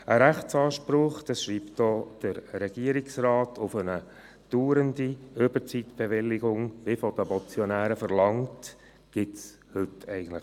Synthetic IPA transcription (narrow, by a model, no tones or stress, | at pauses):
əɾæχt͡sɑːʃpɾʊχd̥ɑsʃɾiːptdɔd̥əɾɾɛɡ̥iəɾɪksɾɑːtʰʊfənə | d̥uːɾəndiøbəɾt͡sit̪b̥eʋɪlːɪɡʊŋʋɪfɔd̪əbɔt͡sjɔnæːɾəfəɾlɑŋt | ɡ̥ɪts | hʏtɛɪɡən̩tləχ